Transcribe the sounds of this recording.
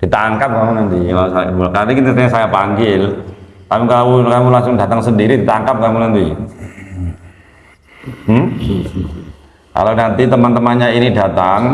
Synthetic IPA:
d̥i̤t̪aŋkap̚kamunant̪ikalusaja̰bolakadikiət̪əɲasajapaŋɡɪlt̪apikalawkamulaŋsʊŋda̤t̪aŋsəndiɾidi̤t̪aŋkap̚kamunant̪i | m̩ | ka̰lawnant̪it̪əmant̪əmanɲainida̤t̪aŋ

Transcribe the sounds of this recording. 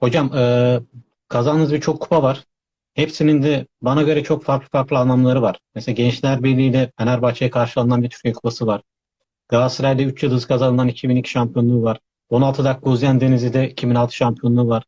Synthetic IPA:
ho̞d͡ʒamɯː | kʰazanɯnɯzbiɾt͡ʃʰo̞kʰːu̥pʰavaɾ̥ | hepsinind̪ɛbanaɟø̞ɾɛt͡ʃʰo̞kfaɾklˠɯ̥faɾklˠianˠamlˠaɾɯvaɾ̥meselaɟɛnt͡ʃlʲæɾbiɾlʲiːnɛfɛnæɾbaxt͡ʃʰajakʰaɾʃɯlˠananbiɾt̪ʰy̥ejkʰu̥pasɯvaɾ̥ | ɡ̪̥aːsɯɾælʲd̪ɛyt͡ʃjɯlˠɯzkʰazanɯnanicʰibinicʰi̥ʃampʰijo̞nlˠuːvaɾ̥ | o̞nalˠt̪ʰɯd̪ak̚ɡuzjand̪e̞nizid̪ɛicʰibinalˠt̪ʰɯ̥ʃampʰijo̞nˠuːvaɾ̥

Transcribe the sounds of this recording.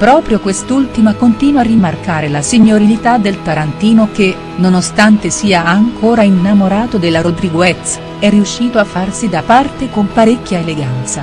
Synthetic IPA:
pɾɔːpɾjokwest̪ult̪imakont̪iːnwarːimarkaːɾelasiɲːoɾilit̪ad̪ːelt̪aɾant̪iːnok̟e | nonost̪ant̪esiːaːŋkʰoːɾainːamoɾaːt̪od̪elːaɾod̪ɾiɡwɛt̪s | ɛrːiuʃːiːt̪oafːarsid̪apart̪ekompaɾekʲːjaeleɡant̪sa

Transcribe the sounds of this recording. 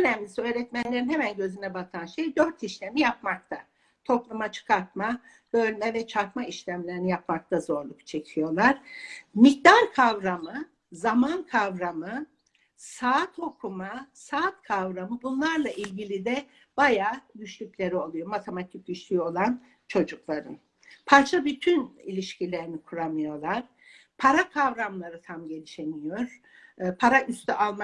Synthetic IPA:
ønɛmlʲisiøːɾɛt̪mænlʲe̞ɾinhɛmænɟø̞zynɛbat̪ʰanʃe̞jd̪ø̞ɾt̪ʰiʃlʲe̞mijap̚mak̚t̪ʰa | t̪ʰo̞plˠumat͡ʃʰɯ̥kʰaɾt̪ma | b̥ø̞lʲmɛvɛt͡ʃʰaɾkmaiʃlʲæmlʲe̞ɾinijapmak̚t̪ʰazo̞ɾlˠukt͡ʃʰe̞cʰijo̞lˠaɾ̥mic̚d̪aɾkʰavɾamɯ | zamankʰavɾamɯ | saːt̪ʰho̞kʰumasaːt̪kʰavɾamɯbunlˠaɾlˠaʔilʲɟilʲid̪ɛ | b̥ajaːd̪yʃlʲycʲlʲe̞ɾio̞lˠujo̞mat̪ʰe̞mat̪ʰic̚d̪yʃlʲyo̞lˠan | t͡ʃʰo̞d͡ʒuklˠaɾɯn | pʰaɾt͡ʃʰabyt̪ʰynilʲiʃcilʲe̞ɾinikʰuɾamɯjo̞lˠaɾ̥ | pʰaɾakʰavɾamlˠaɾɯt̪ʰamɟe̞lʲiʃe̞nijo̞ɾ̥ | pʰaɾaʔyst̪ʰyʔalˠma

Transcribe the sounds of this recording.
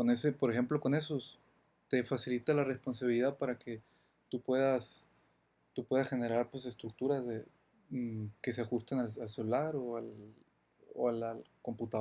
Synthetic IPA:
konesepo̞ɾexe̞mplo̞ko̞ne̞so̞s | t̪e̞fasilit̪alare̞spo̞ns̬aβiliðaðpaɾake̞ | t̪upwe̞ðas | t̪upwe̞ðasxe̞ne̞ɾaɾpwe̞s̬e̞st̪ɾuk̚t̪uɾazðe | ke̞s̬e̞axust̪enalalselulaɾoal | o̰alalko̞mput̪a

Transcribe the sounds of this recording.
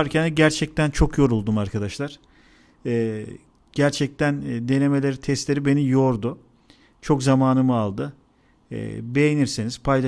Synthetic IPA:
aɾcʰɛnɛɟæɾt͡ʃʰɛc̚t̪ʰænt͡ʃʰo̞kʰjo̞ɾulˠd̪umaɾkʰad̪aʃlˠaɾ̥ | ɯː | ɟ̥æɾt͡ʃʰɛc̚t̪ʰænd̪e̞ne̞me̞lʲeɾit̪ʰɛst̪lʲe̞ɾibe̞nijo̞ɾd̪ʊ | t͡ʃʰo̞kzamaːnɯmɯalˠd̪ɯ̰ | be̞jeniɾseniz̥pʰajlˠa

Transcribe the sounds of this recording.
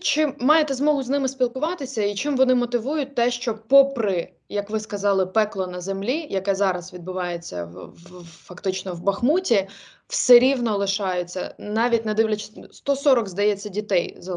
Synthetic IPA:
t͡ʃɪmːɑjet̪ɛzmɔɦʊznɪmɪspʲilˠkʊʋɑt̪ɪsʲɐit͡ʃɪmʋɔnɪmɔt̪ɪʋujʊt̚ʲt̪ɛʃt͡ʃɔpɔpɾɪ | jɐkʋɪskɐzɑlˠɪpɛklˠɔnɐzemlʲijɐkɛzɑɾɐsʋʲid̪̚bʊʋɑjet͡sʲːɐ̰ | fɐkt̪ɪt͡ʃnɔʋbɐxmutʲi | wsɛɾʲiwnɔlˠɪʃɑjʊt͡sʲːɐ̰nɑʋʲit̚ʲnɐd̪ɪʋlʲɐt͡ʃɪ̥st̪ɔsɔɾɔɡzd̪ɐjɛt͡sʲːɐdʲit̪ɛjzɐ

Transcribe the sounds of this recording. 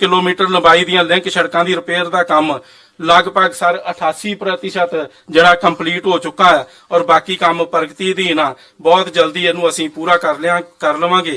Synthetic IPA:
kɪloːmiːʈəɾləbaːiːd̪ɪjãːlɛ̃ŋkʃəɽkãːd̪iːɾəpeːɾd̪aːkəm | ləɡpəɡsəɾəʈʰaːsiːpɾət̪ɪʃət̪ | d͡ʒeːɽaːkəmpliːʈɦoːt͡ʃʊkːaːɛː | ɔːɾbaːkiːkəmpəɾɡt̪iːd̪iːnaː | bɔːt̪d͡ʒəld̪iːɛːnũːəsĩːpuːɾaːkəɾlãkəɾləʋãːɡeː

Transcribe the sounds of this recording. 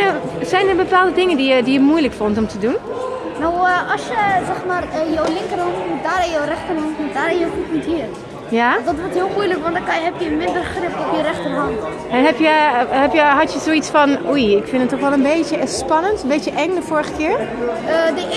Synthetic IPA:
sɛjnərbəpaːlˠdədɪŋəndijədijəmujləkfɔntɔmtʰədun | nawɔsjəzɛxmaːrjowlɪŋkərhɔntmutdaːɾɛjowrɛxtərɦɔntmutdaːɾɛəjoxutmuthiːr | jadɔtʋɔrthiəlˠmujləkʋɔndkɦɛpjəmɪndərxrɪftɔpjərɛxtərɦɑnt | ɛnɦɛpjəhɛpjəɦatjəsoːitt͡sfɔnujɪkfɪnətːɔχʋɛlˠənbeːtjəspɑnəntənbeːtjəʔɛŋdəfoːɹɣəkɪəɹədə

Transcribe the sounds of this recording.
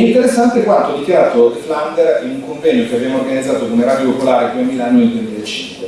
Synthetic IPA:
int̪eɾesːant̪ekwant̪oɔd̪ikjaɾaːt̪ofland̪eɾinuŋkoɱvɛɲːokeavemorɡanid̪zaːt̪okomeɾad̪jopopolaːɾed̪uemilanːineld̪uemilaet͡ʃːiŋkwe

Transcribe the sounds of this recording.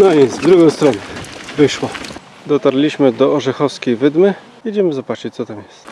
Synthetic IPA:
nɔjɛzd̪ɾuɡɔ̃w̃st̪ɾɔnɛvɘʂwɔ | d̪ɔt̪aɾlʲiɕmɘd̪ɔːʐɛxɔfskʲejvɘd̪mɘ | jʲɛd͡ʑɛmɘzɔbat͡ʂɘt͡ɕt̪sɔt̪amjɛst̪

